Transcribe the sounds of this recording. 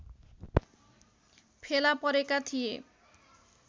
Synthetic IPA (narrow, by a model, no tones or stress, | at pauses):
pʰelapɔɾekat̪ʰije